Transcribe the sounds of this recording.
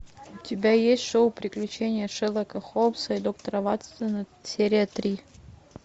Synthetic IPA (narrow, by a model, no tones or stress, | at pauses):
ʊtʲɪbʲajesʲtʲʂoʊpɾʲɪklʲʉt͡ɕenʲɪjəʂɛlˠəkɐxopsɐid̪ok̚t̪ɐɾɐvat̪st̪ənəsʲeɾʲɪjət̪ɾʲi